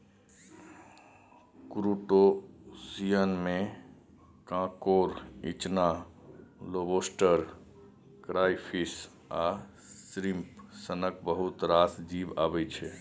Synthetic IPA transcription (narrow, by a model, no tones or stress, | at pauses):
kɾuʈosijənmẽ | kãkoɾḭt͡ʃna | lobosʈəɾ | kɾajpʰis | a | sɾimpsənək̚bəɦut̪ɾasd͡ʒiba̰bɛt͡ʃʰɛ